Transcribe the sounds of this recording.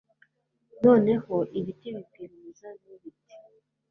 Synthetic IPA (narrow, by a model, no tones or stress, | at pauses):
nɔnɛhɔʔiβitiβipiɾimizaniβiti̥